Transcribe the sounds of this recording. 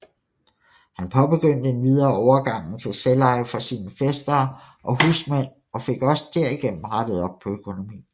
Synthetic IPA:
hænpʰɒ̽b̥e̝ɡ̥øn̰d̥əe̝nʋið̞ˠɐːɒʊɐɡ̥ɑ̈ŋ̰n̩t͡sʰe̝lselɑ̈ɪfɒsiːnəfesd̥ɐː | ʔɒ̽ɦuːsmæn̰ | ɒ̽fe̝ɡ̥ɒ̽sd̥æɐ̰iɡ̥en̰m̩ʁɑd̥əð̩ˠɒ̽b̥̚pʰɒ̽økʰo̝no̝mḭː

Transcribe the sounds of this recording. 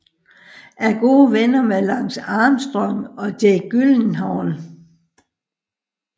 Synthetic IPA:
ʔæɐɡ̥o̝ːʋenɐmelɑ̈ŋ̰sɑ̈ːmsd̥ʁɒŋ̰ɒ̽d̥eɡ̥yln̩ɦɑ̈ʊn

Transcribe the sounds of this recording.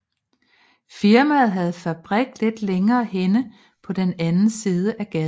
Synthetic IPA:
fiɐmæð̞̩ˠɦæð̞̩ˠfæb̥ʁɛɡ̥̚le̝d̥leŋɐːhenə | pʰɒ̽d̥enænn̩siːð̞ˠəʔæɡ̥ɛ

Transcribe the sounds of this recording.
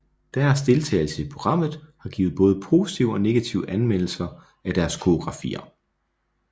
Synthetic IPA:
d̥æɐsd̥e̝lt͡sʰɛ̰ːɪl̩səipʰʁo̝ɡ̥ʁɑ̈m̰ð̞̩ˠhɑ̈ɡ̥ḭːʊð̩ˠb̥ɔ̽ːð̞̩ˠəpʰo̝ːsi̥t͡sʰiʊɒ̽ne̝ɡ̥æt͡sʰiʊəʔænmen̰l̩sɐ | æd̥æɐskʰo̝oɡ̥ʁɑ̈fḭːɐ

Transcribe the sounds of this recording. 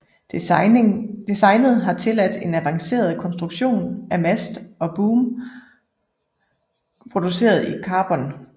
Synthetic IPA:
d̥isɑ̈ɪnð̞̩ˠɦɑ̈t͡sʰe̝læd̥e̝næʋɑ̈ŋse̝̰ːɐð̞̩ˠkʰɒ̽nsd̥ʁuɡ̥ɕo̝̰ːnæmæsd̥ɒ̽b̥uːm | pʰʁo̝d̥use̝̰ːɐð̞̩ˠikʰɑ̈ːb̥ɒ̽n

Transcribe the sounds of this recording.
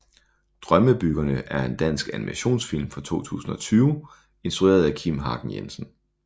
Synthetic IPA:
d̥ʁɶməb̥yɡ̥ɐnəʔæɐe̝nd̥æn̰sɡ̥ænimæɕo̝̰ːnsfil̰mfɑt͡sʰo̝̰ːt͡sʰṵːsn̩ɒ̽t͡sʰyːʊ | e̝nsd̥ʁuḛːɐð̞ˠækʰimɦɑ̈ːɡ̥n̩jḛmsn̩

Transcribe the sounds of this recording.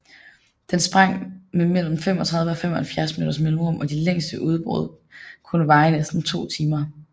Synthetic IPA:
d̥ensb̥ʁɑ̈ŋ̰memel̰m̩fem̰ɒ̽t͡sʰʁɑ̈ðˠʋəɒ̽fem̰ɒ̽hælfjæɐsmḛdɾɐsmelɔmɒ̽d̥ileŋ̰sd̥əʔuðˠb̥ʁo̰ð̞̩̰ˠ | kʰɔnəʋɑ̈ːɪnesd̥n̩t͡sʰo̝̰ːt͡sʰiːmɐ

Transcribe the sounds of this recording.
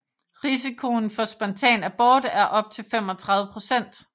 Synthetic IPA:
ʁis̬ikʰo̝nfɒ̽sb̥ɒ̽nt͡sʰɛ̰ːnæb̥ɒːd̥æɐʔɒ̽b̥̚t͡sʰe̝lfem̰ɒ̽t͡sʰʁɑ̈ðˠʋˠəpʰʁo̝sen̰d̥

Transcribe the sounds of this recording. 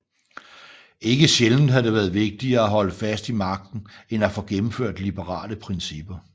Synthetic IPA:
e̝ɡ̥əɕeln̩dɦæde̝ʋæːɐð̩ˠʋe̝ɡ̥̚d̥iɐːæɦɒ̽ləfæsd̥imɑ̈ɡ̥̚d̥n̩enæfɔ̽ɡ̥emm̩føɐ̰d̥lib̥əʁɑ̰̈ːləpʰʁɛnsib̥ɐ

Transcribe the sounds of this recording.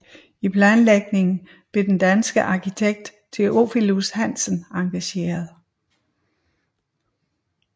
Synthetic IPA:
ipʰlænleɡ̥̚ne̝ŋn̩ | b̥le̝d̥end̥ænsɡ̥əʔɑ̈kʰit͡sʰeɡ̥̚d̥ | t͡sʰe̝ʔo̝filushæn̰sənɑ̈ŋɡ̥æɕe̝̰ːɐðˠ

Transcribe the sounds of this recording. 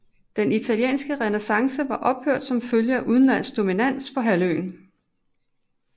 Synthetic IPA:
d̥enit͡sʰæljḛːnsɡ̥əʁɛnəsɑ̈ŋsəʋɑ̈ʔɒ̽b̥høɐd̥sɒ̽mføljəæʔuð̞ˠn̩læn̰sd̥o̝minæn̰spʰɒ̽ɦæløːn

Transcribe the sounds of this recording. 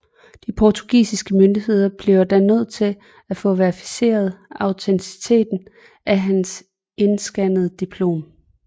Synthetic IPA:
d̥ipʰɒt͡sʰu̥ɡ̥ḭːsisɡ̥əmønd̥ihe̝ð̞̰ˠɐb̥liʊɐd̥ænøð̞̰ˠt͡sʰe̝l | æfɔ̰̽ːʋæɐfi̥se̝̰ːɐð̞̩ˠɑ̈ʊt͡sʰent͡sʰi̥t͡sʰe̝̰ːd̥n̩ | ʔæɦæns | e̝nsɡ̥ænəð̞̩ˠd̥ipʰlo̝̰ːm

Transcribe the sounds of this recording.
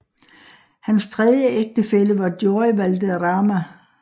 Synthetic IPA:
hænst͡sʰʁɛðˠjəʔeɡ̥̚d̥əfeləʋɑ̈d̥joːʋæld̥əʁɑ̈ːmæ

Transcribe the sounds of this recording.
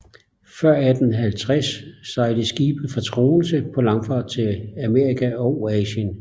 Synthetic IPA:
fɶɐ̰æd̥n̩ɦælt͡sʰʁasːɑ̈ɪləsɡ̥iːb̥əð̩ˠfɒ̽t͡sʰʁo̝̰ːl̩səpʰɒ̽lɑ̈ŋfɑ̰̈ːd̥̚t͡sʰe̝læme̝ːɐikʰæɒʊɛːɕən

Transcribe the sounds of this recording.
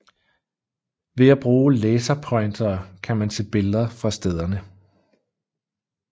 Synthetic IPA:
ʋe̝æb̥ʁuːleːsɐpʰɒ̽ɪnd̥ɐːkʰæmænsʰe̝b̥e̝lðˠɐfʁɑ̈sd̥eð̞ˠɐnə

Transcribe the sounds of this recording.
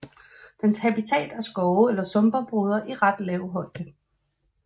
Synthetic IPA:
d̥enshæbit͡sʰɛ̰ːd̥æɐsɡ̥ɒʊelɐsɔ̽mb̥ɐb̥ʁoð̞ˠɐʔiʁɑd̥lɛːʊɦɒ̽l̰d̥ə

